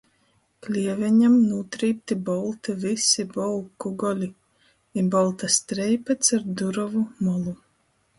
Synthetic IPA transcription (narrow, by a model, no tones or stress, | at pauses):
klʲiɛvʲɛɲamnuːt̪ɾiːp̚t̪ibɔlˠt̪ivisibɔlˠkuɡɔlʲi | ibɔlˠt̪ast̪ɾɛjpat̪saɾd̪uɾɔvumɔlˠu